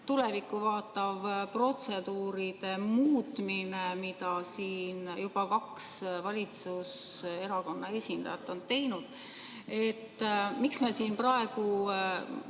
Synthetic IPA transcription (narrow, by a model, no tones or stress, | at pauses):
t̪ule̞vikːˑuvɑːt̪ːˑɑvpro̞t̪se̞d̪uːɾid̪̥e̞muːt̪minemid̪ɑsiːnjub̥ɑkɑksvɑlʲit̪suse̞ɾɑko̞nːɑe̞sʲind̪̥ɑ̰jɑt̪ːˑo̞nt̪e̞jnud̪̥ | e̞t̪ːmiksmesiːnprɑe̞ɡ̥u